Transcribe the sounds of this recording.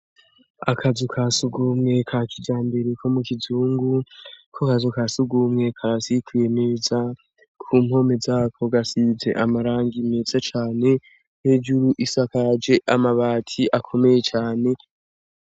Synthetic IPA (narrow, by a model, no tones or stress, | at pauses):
akʰazukʰaːsuɡumŋe̞kʰakid͡ʒaːmbe̞ɾekʰo̞mukizuːŋɡukʰokazukasuɡuːmŋe̞kʰaasikuje̞meːza | kʰuːmho̞me̞zaːkʰo̞ɡasiːze̞̰ʔamaɾaːŋɡime̞ːz̥at͡ʃaːne̞ | ned͡ʒuɾuʔisakad͡ʒe̞ʔamaβaːtʰiʔakʰo̞me̞je̞t͡ʃaːne̞